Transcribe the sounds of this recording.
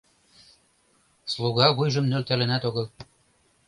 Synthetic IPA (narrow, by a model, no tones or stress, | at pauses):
slˠuɣɑɣujʒɤ̆mnølt̪ælɘ̆næt̪oɣɤ̆l